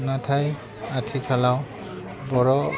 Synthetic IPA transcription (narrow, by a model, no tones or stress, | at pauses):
natʰaj | atʰikʰalaw | bɔɹɔ